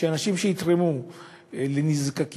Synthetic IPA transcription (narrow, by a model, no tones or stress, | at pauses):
eanaʃimʃejit̪ʁemu | lenizkak